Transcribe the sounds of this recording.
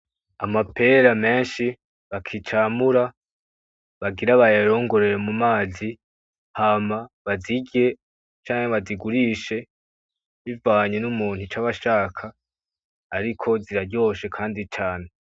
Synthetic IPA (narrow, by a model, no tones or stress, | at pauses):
a̰mape̞ɾame̞ːnʃi | βakʰit͡ʃaːmuɾa | βaɡiɾaβajeɾo̞ːŋɡo̞ɾe̞ɾemumaːzi | hamaβaziɡe̞ | t͡ʃaːɲeβaziɡuɾiːʃe̞ | βivaːɲenumuːn̥hut͡ʃaβaʃaːkʰaː | ɾikʰo̞ziɾaɾɟo̞ːʃe̞kʰaːndit͡ʃaːne̞